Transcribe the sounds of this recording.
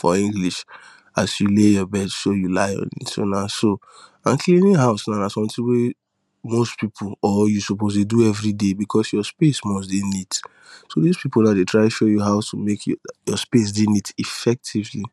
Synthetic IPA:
fɔ̰ĩŋɡliʃ | asjulejɔbɛdsojulaɪɔ̰̃nḭtso̰naso | ãmkʰlĩnĩɦaʊsnaʊnasɔ̃mtĩwe | mostpipʰulɔjusɔpozleduɛvɹidebikʰɔsjɔspesmɔs̬dinit | soðispipol̩naʊdetʰɹaɪʃojuɦaʊtʰumekʰjɔspes̬dinitifɛk̚tʰivli

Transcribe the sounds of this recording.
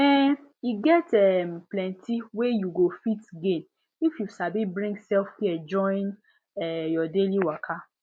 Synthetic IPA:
ɛiɡɛtɛmplɛ̃ntʰiwejuɡofitɡẽn | ifjusabibɹĩŋɡsɛlfhiɛd͡ʒɔ̃n | ɛjɔdeliwakʰa

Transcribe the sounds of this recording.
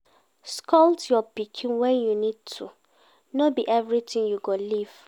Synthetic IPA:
skʰɔltjɔpikʰĩnwɛ̃njunid̚tʰu | nɔbiʔɛvɹitĩŋjuɡoliv̥

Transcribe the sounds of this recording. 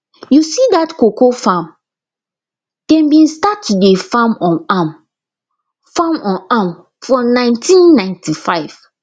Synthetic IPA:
jusidatkokofãm | d̥ɛ̃mbĩnstatudefãmɔ̃nam | fãmɔ̃nam | fɹɔ̃nãɪ̃ntʰĩnːãɪ̃ntʰifaɪv̥

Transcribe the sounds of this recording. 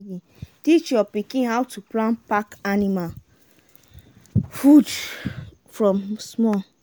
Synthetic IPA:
i | tit͡ʃɔpikĩnɦawtuplãnpakanimal | fud | fɹɔ̃msmɔ

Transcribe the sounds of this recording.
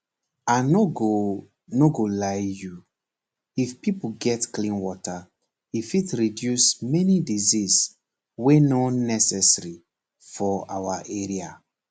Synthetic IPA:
anoɡo | noɡolajju | ifpipoɡɛtklĩnwɔta | ifitɹidjusmɛnidizis | wenɔnɛsɛsɹi | fɔawaʔeɹia

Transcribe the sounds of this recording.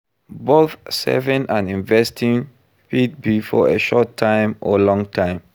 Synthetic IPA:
boθsɛ̰vĩnãnĩnvɛstʰĩŋ | pid̚bifɔeʃɔtʰːãɪmʔɔ̰lɔ̃ŋtʰãɪ̃m

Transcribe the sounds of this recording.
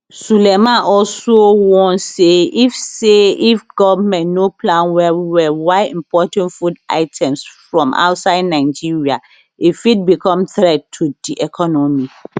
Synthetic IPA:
sulɛmãʔɔlsowɔ̃nseifseifɡɔvmɛ̃nnopʰlãnwɛwiwɛwaɪḭ̃mpʰɔtɛ̃ntfuda̰ɪtʰɛ̃msfɹɔ̃mʔa̰ʊtsaɪdnãɪd͡ʒiɹia | ifit̚bikʰɔ̃mθɾɛd̚tʰud̥iʔɛkʰɔnɔmĩ

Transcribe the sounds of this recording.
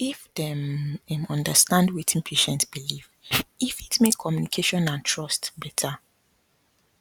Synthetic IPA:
ifdɛmɛ̃mɔ̃ndəstãndwetʰĩnpʰeʃɛ̃ntsb̥ilivifitmekʰːɔmjunikʰeʃɔ̃nãntʰɹɔstbɛtʰa

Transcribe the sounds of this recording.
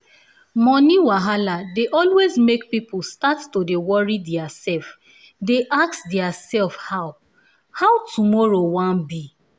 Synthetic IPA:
mɔniwaɦaladeʔɔlwezmek̚pipʊstattodewɔɹidɛasɛlf | deʔaksdɛasɛlfhaʊ | haʊtʰumɔɹowãnbi

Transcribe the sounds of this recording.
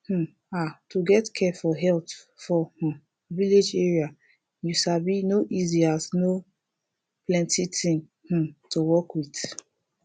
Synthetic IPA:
h̩ | atuɡɛtkʰɛfɔɦɛlt | fɔh̩ | vilid͡ʒɛɹia | juʃabinoʔiziazno | plɛ̃ntitʰĩŋ | h̩tʰuwɔkwit

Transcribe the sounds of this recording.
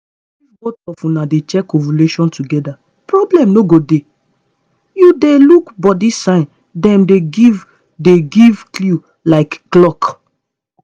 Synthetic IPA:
ifɡotɔfũnadet͡ʃɛkːɔvuleʃɔ̃ntuɡɛda | pɹɔblɛ̃mnoɡode | judelukbɔdisãɪ̃n | dɛ̃mdeɡiv | deɡivklu | laɪkːlɔk

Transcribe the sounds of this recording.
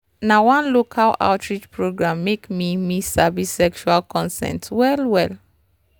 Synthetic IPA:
nawãnlokʰala̰ʊtʰɹid͡ʒpɹoɡɹãmːekmimisabisɛkʃualkʰɔ̃nsɛ̰̃ntwɛlwɛl

